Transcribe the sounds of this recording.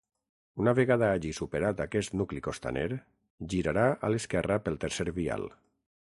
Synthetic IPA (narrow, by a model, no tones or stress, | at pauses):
unaβeɣaðaaʒisupeɾat̪akɛst̪nuklikost̪a̰neɾ | ʒiɾaɾaʔa̰leskɛrapelˠt̪eɾseɾβia̰l